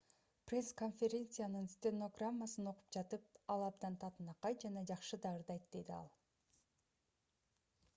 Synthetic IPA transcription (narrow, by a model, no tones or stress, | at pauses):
prʲe̞sko̞nfʲeɾʲe̞nt̪sɨjanɯnst̪ʲeno̞ɡramːasɯno̞qu̥p̚d͡ʒɑt̪ɯp̚ɑlˠɑb̚d̪ɑnt̪ʰɑt̪ɯnɑqɑj̪d͡ʒɑnɑd͡ʒɑqʃɯd̪ɑɾd̪ɑjt̪d̪e̞d̪iɑ̰lˠ